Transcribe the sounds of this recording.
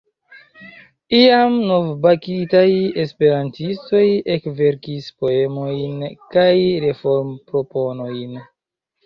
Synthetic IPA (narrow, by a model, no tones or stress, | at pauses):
iamno̞vbakitaje̞spe̞ɾantisto̞je̞kve̞ɾkispo̞e̞mo̞jnkajɾe̞fo̞ɾmpɾo̞po̞no̞jn